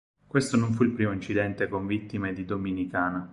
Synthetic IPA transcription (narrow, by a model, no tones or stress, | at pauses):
kwest̪onoɱfuilpɾiːmoint͡ʃid̪ɛnt̪ekoɱvit̪ːimed̪id̪ominikaːna